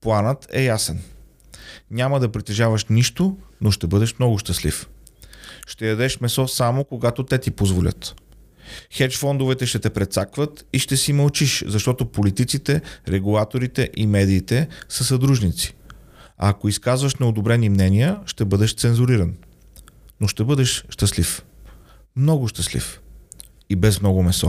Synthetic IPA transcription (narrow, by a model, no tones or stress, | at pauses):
plˠanət̪ɛ̰jasɛn | nʲaməd̪ɐpɾit̪ɛʒavəʃniʃt̪onoʃt̪ɛbɤd̪ɛʃmnɔɡʊʃt̪əslḭf | ʃt̪ɛjɐd̪ɛʃmɛsɔsamokoɡat̪ot̪ɛt̪ipozvolʲə̰t̪ | xɛt͡ʃfɔnd̪ovɛt̪ɛʃt̪ɛt̪ɛpɾɛt̪sakvət̪iʃt̪ɛsimɐlˠt͡ʃiʃzɐʃt̪ɔt̪opolit̪it̪sit̪ɛɾɛɡulˠat̪oɾit̪ɛʔimɛd̪iːt̪ɛsəsɐd̪ɾuʒnit̪si̥ | a̰ːkoiskazvəʃnɛod̪obɾɛnimnɛniəʃt̪ɛbɤd̪ɛʃt̪sɛnzuɾiɾɐn | noʃt̪ɛbɤd̪ɛʃʃt̪əslif | mnɔɡʊʃt̪əslḭf | ibɛsmnɔɡʊmɛsɔ